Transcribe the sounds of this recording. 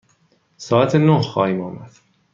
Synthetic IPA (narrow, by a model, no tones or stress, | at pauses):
sɒːæt̪ʰenohxɒːhiːmɒːmæd̪̥